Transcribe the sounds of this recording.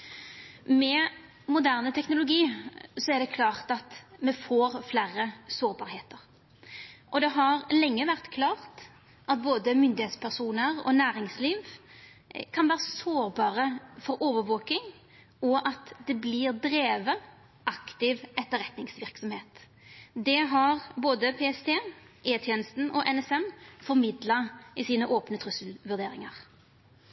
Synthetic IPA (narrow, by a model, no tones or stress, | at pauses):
mɛ | mʊd̪æʁnət̪ʰɛknʊlʊɡiːsɔæɾd̪ɛkʰlɑːʁt̪ɑt̪mɛfoːɾflæːɾəsoːɾbɑːɾheːt̪əʁ | ʔɔd̪ɛɦɑɾlɛŋːəʋæʁt̪kʰlɑːʁt̪ | ʔɑt̪̚boːd̪əmʏnd̪ɪheːt̪spʰæʁsuːnəʁɔ̰næːɾɪŋsliːʋ | kʰɑnʋæːɾəsoːɾbɑːɾəfɔɾoːʋəɾʋoːkɪŋ | ɔʔɑt̪d̪ɛblɪɾd̪ɾeːʋə | ʔɑkt̪ɪʋɛt̪ːəɾɛt̪nɪŋsʋɪʁksɔmheːt̪ | d̪ɛɦɑʁboːd̪əpʰeːɛst̪ʰeː | ʔeːt̪ʰjeːnəst̪n̩ɔʔɛnɛsɛmfɔɾmɪd̪lɑɪsiːnəʔoːpnət̪ʰʁʉsəlʋʉɾd̪eːɾɪŋɑʁ